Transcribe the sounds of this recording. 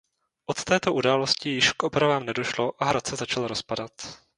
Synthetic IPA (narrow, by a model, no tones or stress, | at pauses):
ʔot̪t̪ɛːt̪o̞ʔudaːlo̞scɪjɪʃkʔopɾavaːmnɛdo̞ʃlo̞ʔaɦɾat̪t͡sɛzat͡ʃalɾo̞spadat̪